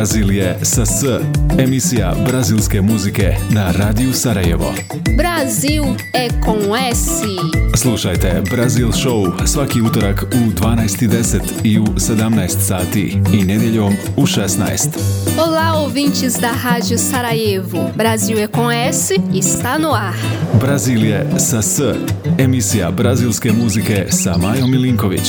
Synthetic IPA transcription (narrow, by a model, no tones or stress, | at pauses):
aziljesasəemisija̰bɾazilˠskemuzike̞naɾaːd̪ijusaɾajḛʋo̞̰ | bɾazilˠ | ɛkõɛsislˠuʃajt̪e̞bɾazilʃousʋakiut̪o̞ɾakud̪ʋaːnajst̪id̪eset̪iused̪amnajst̪saːt̪iːned̪jeʎo̞m | uʃesna̰jst̪olaovĩnt͡ʃɪzd̪aɦad͡ʒiosaɾajevʊbɾaziwɛkõɛsiːst̪anua | bɾaziːljesasəemisija̰bɾaziːlˠske̞muzike̞samaːjomiliŋko̞ʋḭt͡ɕ